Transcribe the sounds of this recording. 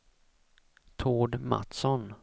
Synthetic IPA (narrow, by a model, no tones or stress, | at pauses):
t̪ʰoːɖma̰t̪sɔn